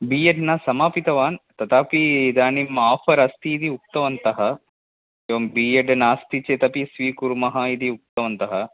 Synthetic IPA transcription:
biːjɐɖnɐsɐmaːpit̪ɐʋaːnt̪ɐt̪aːpid̪aːnimːaːfʰɐɾɐst̪iːd̪iuk̚t̪ɐʋɐnt̪ɐɦɐ | eʋɐmbiːjɐɖnaːst̪it͡ʃet̪ɐpisʋiːkuɾmɐɦɐid̪iuk̚t̪ɐʋɐnt̪ɐɦɐ

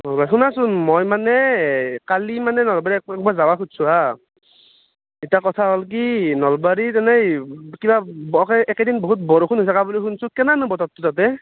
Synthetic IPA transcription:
ɦɔbaxunasunmɔjmanɛkalimanɛnɔlbaɹikɛkbazawakʰutsua | itakɔtʰaɦɔlk̬inɔlbaɹitɛnɛkibabkɛɛkɛdinboɦut̬bɔɹoxunɦojtʰakabulixunsukɛnanɯbɔtɔtʰːutat̬ɛ

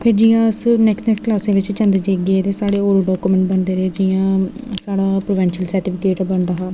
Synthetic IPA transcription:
pʰɪɾd͡ʒiːãəsnɛːksʈnɛːksklaːsẽːʋɪt͡ʃt͡ʃə̃nd̪d͡ʒeːɡeːt̪eːsaːɽeːoːɾoɖɔːkumə̃ɳʈ̚bənd̪eːɾeːd͡ʒiːãːsaːɽaːpɾoːʋɛ̃ːnʃəlsəɾʈɪːpʰɪkeːʈbənd̪aːɦaː

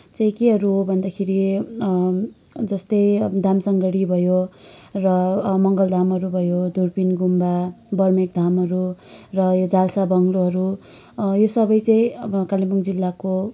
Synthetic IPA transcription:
t͡saĩkeɦʌɾuɦobʱʌnd̪akʰeɾi | d͡zʌst̪ʌjd̪ʱamsʌŋɡʌɽibʱʌjorʌmʌŋɡʌld̪ʱamɦʌɾubʱʌjod̪ʱurpinɡumbabʌrmek̚d̪ʱamɦʌɾurʌjod͡zalsabʌŋloɦʌɾu | josʌbʌjt͡saĩkalibuŋd͡zilːako

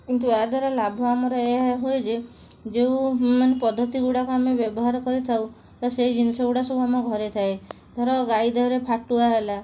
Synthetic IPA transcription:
kint̪̬uead̪ʱwaɾɔlabʱɔamɔɾɔeɦojd͡ʒe | d͡ʒeũmanepɔd̪ʱːɔt̪iɡuɽakoamebjɔbɔɦaɾɔkɔɾit̪ʰaw | t̪ɔsejd͡ʒinisɔɡuɽasɔbʱuamɔɡʱɔɾet̪ʰae | d̪ʱaɾɔɡajd̪ʱɔɾepʰaʈuaɦela

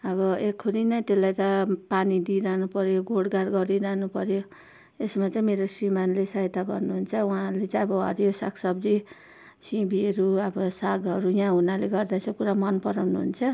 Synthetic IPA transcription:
ʌβʌekʰuɾinʌjt̪elajt̪ʌpanid̪iɾaɦnupʌɾjoɡʱoɽɡaɾɡʌɾiɾaɦnupʌɾjo | esmat͡saĩmeɾosrimanlesʌɦet̪aɡʌrnuɦunt͡sʰʌũãlet͡saĩʌbʌʌ̰ɾjosa̰ksʌbd͡zi | sĩbiʌɾuʌbʌsaɡʌɾujãɦunaleɡʌrd̪at͡sʰʌkuɾamʌnpʌɾawnuɦṵnt͡sʰʌ

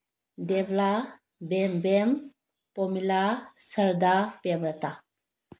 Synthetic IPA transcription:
debla | bembem | pɔmilasəɾd̪apemɾata

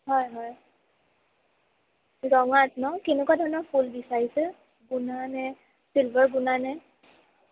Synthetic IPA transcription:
ɦɔjɦɔj | zɔŋatnɔkenɛkwadʱɔɹɔnɔɹpʰulbisaɹisɛ | ɡunanɛ | silbɔɹɡunanɛ

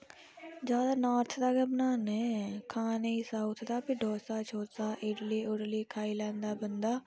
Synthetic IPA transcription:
d͡ʒjaːd̪aːnaːɾt̪ʰd̪aːɡəbnaːnɛ̃ːkʰaːneːisaːʊt̪ʰd̪aːpɪɖʱoːsaːt͡ʃʰoːɾsaːʔɪɖliːʔʊɽliːkʰaːiːlɛ̃ːnd̪aːbənd̪aː

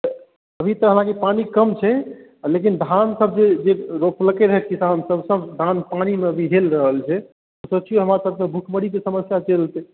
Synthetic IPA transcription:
t̪ə | əbʱit̪əɦəlãkepanikəmt͡ʃʰɛ | lek̬ind̪ʱansəb̚d͡ʒed͡ʒeɾopləkeɾəɦɛt̪kisansəbsəbd̪ʱanpanimeəbʱiɦelɾəɦəlt͡ʃʰɛ | osəbt͡ʃʰioɦəmɾasəb̚sebʱukʰməɽikesəməsjat͡ʃelt̪e

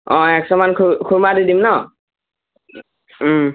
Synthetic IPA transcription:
ɔ̃ɛksɔmankʰkʰuɹmadidimnɔ

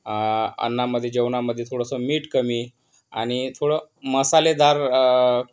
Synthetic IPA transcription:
ə̰nːaməd̪ʱːjed͡ʑeʋnaməd̪ʱːjet̪ʰoɽəsəmiːʈkəmiː | a̰ɽ̃it̪ʰoɽəməsaled̪aɾ

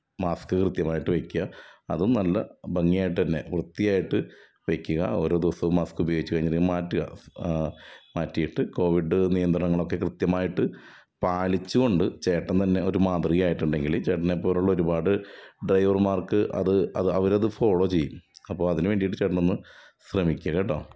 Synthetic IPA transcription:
maːskɨkrɨt̪jɐmaːjiʈːɨʋekʲːuɣɐɐ̰ðunɐlːɐ̰bɐŋːijaːjiʈːɨt̪ɐnːe̞̰ʋrɨt̪ːijaːjiʈːɨ | ʋekʲːuɣɐ̰o̞ːɾo̞ːd̪iʋɐsɐʋumːaːskubɐjoːɡit͡ɕːukɐɻiɲːimaːtːuɣɐ̰ | maːtːijiʈːɨko̞ːʋiɖɨnijɐnd̪ɾɐɳɐŋːɐɭo̞kːe̞krɨt̪jɐmaːjiʈːɨ | paːlit͡ɕːuɣo̞ɳɖɨt͡ɕe̞ːʈːɐnt̪ɐnːe̞o̞ɾumaːt̪riɣɐjaːjiʈːuɳɖe̞ŋɡilt͡ɕe̞ːʈːɐnepːo̞ːɾuɭːɐo̞ɾubaːɽɨɖrɐjʋɐrmaːrkɨʔɐ̰ðɨɐ̰ðɨɐʋɐɾɐðɨfo̞ːɭo̞ːt͡ɕe̞jːumɐpːo̞ːɭɐðinɨʋeːɳɖijiʈːɨt͡ɕeːʈ̬ːɐnonːɨ | srɐmikʲːɐɣeʈːoː

